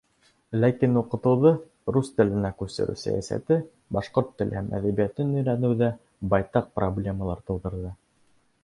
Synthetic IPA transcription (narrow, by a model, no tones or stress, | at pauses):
lækinuqɤ̆t̪ɤ̆wðɤ | ɾust̪ɘ̆lɘ̆nækʉsɘ̰̆ɾʉ̰sæ̰jæ̰sæ̰t̪ɘ | bɑʃqoɾt̪ːɘ̆lʔɘhæmʔæ̰ðæβijæt̪ɘnɵ̆jɾænɘ̆wðæ | bɑjt̪ɑq̚problʲe̞məlˠɑɾt̪ɤ̆w̪ˠd̪ɤ̆ɾðɤ